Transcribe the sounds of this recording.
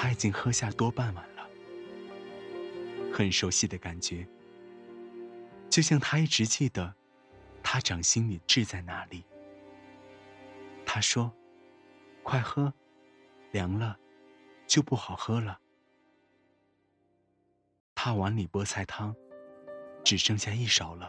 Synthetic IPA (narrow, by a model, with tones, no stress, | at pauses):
t̪ʰa˥i˨˩t͡ɕi˥ŋxɤ˥ɕja˥˩t̪wɔ˥pa˥˩nma˨˩nlə˦ | xə˨˩nʂo˥ʊɕi˥˩d̪ə˩ka˨˩nt͡ɕɥɛ˧˥ | t͡ɕjo˥˧ɕjɑ˥˩ŋt̪ʰa˥i˥˩ʈ͡ʂɻ̩˧˥t͡ɕi˥˩d̪ə˩ | t̪ʰa˥ʈ͡ʂɑ˨˩ŋɕi˥ŋli˨˩ʈ͡ʂɻ̩˥˧t͡sa˥˩ɪna˧˥li˨˩˦ | t̪ʰa˥ʂwɔ˥ | kʰwa˥˩ɪxɤ˥ | ljɑ˧˥ŋlə˧ | t͡ɕjo˥˧ʊpu˥˩xɑ˨˩ʊxɤ˥lə˨ | t̪ʰa˥wa˧˥nli˨˩pwɔ˥t͡sʰa˥˩ɪt̪ʰɑ˥ŋ | ʈ͡ʂɻ̩˨˩ʂɤ˥ŋɕja˥˧i˥˩ʂɑ˨˩ʊlə˦